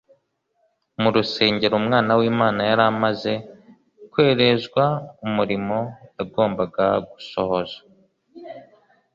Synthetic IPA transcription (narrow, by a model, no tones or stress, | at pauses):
muɾuse̞ːɲɟe̞ɾumŋaːnawiːmaːnajaɾamaze̞ | kwe̞ːɾe̞zɡwaumuɾimo̞jaɡo̞ːmbaɡaɡuso̞ho̞zḁ